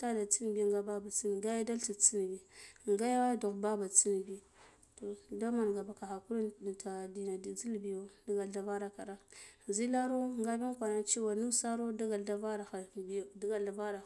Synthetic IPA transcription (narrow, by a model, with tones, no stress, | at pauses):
ta˦da˨t͡si˦n˨bi˦˨ŋɡa˦ba˦ba˨t͡si˦n˨ɡa˦ja˦da˦lti˨t͡si˦n˨bi˨ŋɡa˦ja˦wa˦jdo˨xba˦ba˨t͡si˦n˨bi˨ | to˨da˦ma˨n˨ɡa˨ba˨ka˨xa˨ku˦ɾi˦˨ta˨di˨na˨di˨zi˦lbi˨jo˨da˦ɡa˨lda˨va˦ɾa˦ka˨ɾa˦zi˦la˦ɾo˦˨ŋɡa˦bi˦n˦kʷa˨na˨t͡ʃi˦wa˨nu˦sa˦ɾo˦da˦ɡa˨lda˦va˦ɾa˨a˨bi˨da˦ɡa˨lda˨va˦ɾa˨